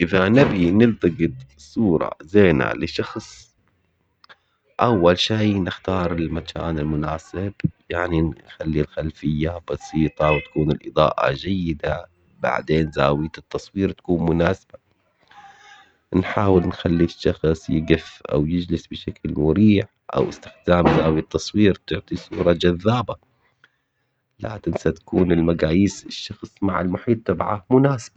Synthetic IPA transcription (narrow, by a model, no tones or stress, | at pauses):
ʔɪðanabinɪlt̪ɑɡɨt̪ˤ | sˤuːɾˤɑ̰zeːna̰lɪʃɑxsˤ | ʔawːalʃiːnɪxt̪ɑːɾˤɪlmakʰa̰ːnɪlmʊnaːsɪbjaʕninnxalːilxalfɪjːabɑsiːt̪ˤɑwt̪ḁkuːnɪlʔɨd̪ˤɑ̰ːʔa̰d͡ʒajːɪd̪a | ba̰ʕd̪eːnzaːwɪt̪ɪt̪ːɑsˤwiːɾt̪ḁkuːnmʊnaːsaba | nħaːwɪlnxalːiʃːɑxsˤjɪɡɪfʔa̰wjɪd͡ʒlɪsbɪʃaklmʊɾiːʕ | ʔa̰wɪst̪ɪ̥xd̪aːmzaːwit̪ːɑsˤwiːɾt̪ʊʕt̪ˤisˤuːɾˤɑd͡ʒaðːaːba | la̰ːkɪnsat̪ḁkuːnɪlmaɡaːjiːsɪʃːɑxsˤmaʕɪ̰lmʊħiːt̪ˤːɑbʕamʊnaːsḁb̥a